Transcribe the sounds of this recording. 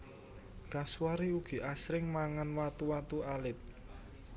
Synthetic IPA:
kaswaɾiuɡ̥i̤ʔasɾɪŋmaŋanwat̪uwat̪ualɪt̪̚

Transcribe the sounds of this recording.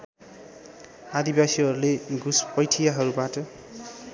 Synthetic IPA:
ad̪ibasiʌɾuleɡuspʌjʈʰijaɦʌɾubaʈʌ

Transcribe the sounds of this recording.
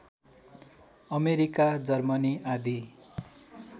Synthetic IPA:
ʌmeɾikad͡zʌrmʌniad̪i

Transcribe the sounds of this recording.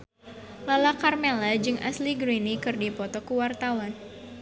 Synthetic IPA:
lalakarmelad͡ʒɨŋʔa̰sliɡɾinikɨrdipɔt̪ɔkuwart̪awan

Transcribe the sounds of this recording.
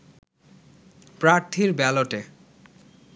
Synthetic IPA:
pɾaɾt̪ʰiɾbɛloʈe

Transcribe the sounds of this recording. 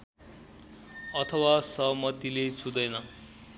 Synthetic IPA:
ʌt̪ʰʌwasʌɦʌmʌt̪ilet͡sʰud̪ʌjnʌ

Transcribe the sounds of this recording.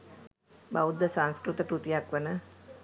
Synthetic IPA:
baud̪ːəsãnskɾut̪əkɾut̪ijakʋənə

